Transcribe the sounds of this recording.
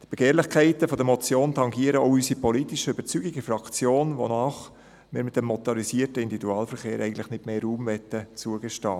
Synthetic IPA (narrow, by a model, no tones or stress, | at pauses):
d̥ib̥ɛɡ̥eːɾlɪχkʰɛɪtəfɔd̪əmɔt͡sjoːntʰɑŋɡiəɾəoʊysipʰɔlitɪʃəøbəɾt͡syɡɪɡəfrɑkt͡sjoːnvo̰naːχ | mɪːɾmɪt̚dɛmːɔt̪ɔɾisiətəindivid̪uɑːlfɛɾχeːɾʔɛɪɡn̩tlɪχnɪtmeːɾuːmvɛtət͡suəɡɛʃtɑː